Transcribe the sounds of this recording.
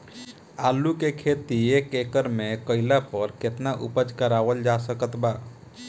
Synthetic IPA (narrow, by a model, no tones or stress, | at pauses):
alukekʰet̪iekekəɾmekəɪlapəɾket̪naʔṵpəd͡ʒkəɾaʋəld͡ʒasəkət̪ba